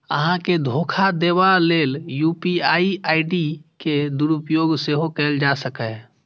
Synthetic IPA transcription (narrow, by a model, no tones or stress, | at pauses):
ə̰ɦãked̪ʱoːkʰad̪eːʋaleːljupiaiaːɪɖiked̪uɾupjoːɡseɦokɛld͡ʒasəkɛ